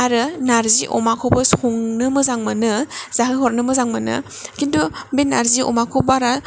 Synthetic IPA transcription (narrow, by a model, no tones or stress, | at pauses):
aɾɯnaɾziʔɔ̰makʰɔbɐsɔŋnɯmɯzaŋmanɯz̥aɦɯɦɔɾnɯmɯzaŋmanɯ̰ | kindubenaɾziɔ̰makʰobaɾa